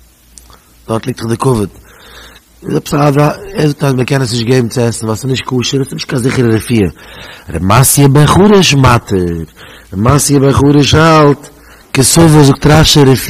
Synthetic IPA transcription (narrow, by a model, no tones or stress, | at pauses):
d̥ɔɾtlˠɪk̚təχdɪkʊvət | zɔpsavaɛzʊk̚taməkɛnəs̬nɪʃtɡeɪbm̩t͡sɪɛsn̩vasnɪʃt̚kʰuːʃəɾsnɪʃtkanzɪχəɾəɾəfiːəɾə̰masjəbəχuːɾəʃmatʰəɾ | ɾəmasjəbəχuːɾəʃalˠt | kɪsʊvəzʊk̚tɾaʃəɾəf